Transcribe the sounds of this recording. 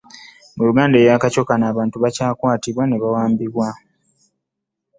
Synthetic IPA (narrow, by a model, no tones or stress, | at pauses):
muluɡaːndejakaco̞kanaːβaːntuβacaːkwaːtiβwaneβawaːmbiβwa